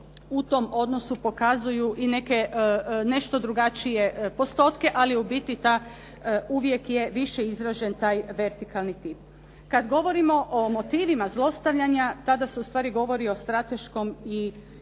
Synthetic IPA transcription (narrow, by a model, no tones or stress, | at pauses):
ut̪o̞mo̞d̪no̞supo̞kazujuʔine̞ke̞ne̞ʃt̪o̞d̪ɾuɡat͡ʃije̞po̞st̪o̞t̪ke̞ʔaliubit̪it̪a | uʋje̞kje̞ʋiʃe̞izɾaːʒe̞nt̪aːjʋe̞ɾt̪ikalˠnit̪ip̚ | kad̪ɡo̞ʋo̞ɾimo̞ʔomo̞t̪iːʋimazlˠo̞st̪aʋʎaɲat̪ad̪ase̞ust̪ʋaːɾiɡo̞ʋo̞ɾio̞st̪ɾat̪e̞ʃko̞mi